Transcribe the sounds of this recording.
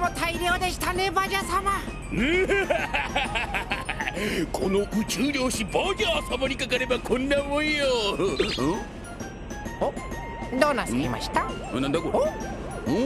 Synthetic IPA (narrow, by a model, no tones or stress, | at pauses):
mot̪aiɾʲo̞ːd̪e̞ɕi̥t̪anebaʑasama | ɯ | kʰo̞no̞ʔɯ̟t͡ɕɨːɾʲjo̞ːɕibaɡʲaːsamoɾʲikakaɾe̞bakʰõ̞nːaɯmoijõ | o | d̪oːnːasɨkʲima̰ɕi̥t̪a | nãnd̪ako